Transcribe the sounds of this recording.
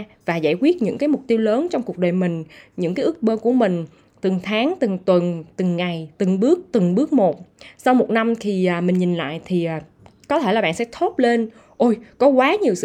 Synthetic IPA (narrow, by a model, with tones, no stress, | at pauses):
vaː˨˩zaː˧˩jkwi˦˥ət̚ɲɨ̰˧˥ŋkaː˨˦jmʊ˨˩k͡p̚t̪i˧wləː˨˦nt͡ɕɔ˧wŋ͡mku˨˩ək̚ɗəː˨˩jmï˨˩ŋ̟ɲɨ̰˧˥ŋkaː˨˦jɨ˦˥ə˥k̚ɓəː˧ku˧˩əmï˨˩ŋ̟ | t̪ɨ˨˩ŋt̪ʰaː˨˦ŋt̪ɨ˨˩ŋt̪wə˨˩nt̪ɨ˨˩ŋːa˨˩jt̪ɨ˨˩ŋɓɨ˦˥ək̚t̪ɨ˨˩ŋɓɨ˦˥ək̚mo˨˩t̚sa˧wmo˨˩t̚na˧mk̪ʰi˨˩ʔːmï˨˩ŋ̟ɲi˨˩nla̰ː˧˨jt̪ʰi˨˩ʔaː˨˩ | kɔ˨˦e˧˩laː˨˩ɓaː˧˨nsɛ̰˧˥t̪ʰo˦˥t̚le˧n | ʔo˧jkɔ˨˦kwaː˨˦ɲi˨˩əwsɨ̰˧